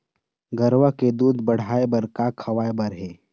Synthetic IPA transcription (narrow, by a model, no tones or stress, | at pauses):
ɡəɾwaked̪uːd̪bəɽ̤aːebəɾkakʰɐʋaːebəɾɦeː